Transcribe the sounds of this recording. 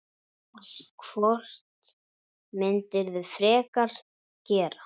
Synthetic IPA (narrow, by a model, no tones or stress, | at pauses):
asikʰvɔr̥t̪ | mɪnt̪ɪɾðʏfɾɛːkaɾ̥ | cɛːɾa